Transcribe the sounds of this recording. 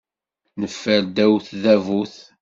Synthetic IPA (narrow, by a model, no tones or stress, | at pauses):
nəfːæld̪æwθðævuθ